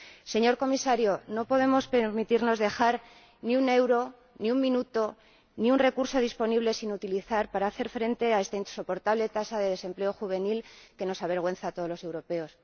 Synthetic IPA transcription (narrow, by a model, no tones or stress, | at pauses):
se̞ɲo̞ɾko̞misaɾjo̞no̞po̞ðe̞mo̞spe̞ɾmit̪iɾno̞zðe̞xaɾ | niune̞wɾo̞ | niummĩnut̪o̞ | niunre̞kuɾso̞ð̞ispo̞niβle̞sinut̪iliθaɾpaɾaːθe̞ɾfɾe̞nt̪e̞ae̞st̪ainso̞po̞ɾt̪aβle̞t̪asaðe̞ðe̞se̞mpleo̞xuβ̞e̞nilke̞no̞saβe̞ɾɣ̞we̞nθat̪o̞ðlo̞se̞wɾo̞pe̞o̞s